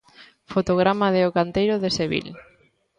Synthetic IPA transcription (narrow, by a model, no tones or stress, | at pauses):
fot̪oɣɾamaðeokant̪ejɾʊðeseβḭl